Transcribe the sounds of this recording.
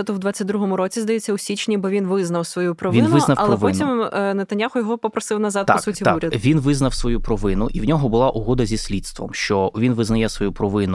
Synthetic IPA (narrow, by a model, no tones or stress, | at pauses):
ɛt̪ɔwd̪ʋat͡sʲːɐtʲd̪ɾuɦɔmʊɾɔt͡sʲizd̪ɐjɛt͡sʲːɐʊsʲit͡ʃnʲibɔʋʲinʋɪznɐwsʋɔjupɾɔʋʲiɪnɪnɐfɐlɛɔʋɔnt̪ʲimnet̪ɐnʲjaxʊjɔɦɔpɔpɾɔsɪwnɐzɑd̪t̪aɔksutʲiauɾʲɐd̪ʋʲinʋɪznɐwsʋɔjupɾɔʋɪnʊʔiwnʲɔɦɔbʊlˠɑʔʊɦɔd̪ɐzʲisʲlʲit̪st̪ʋɔ̰mʃt͡ʃɔʋʲinʋɪznɐjɛsʋɔjupɾɔʋɪnʊ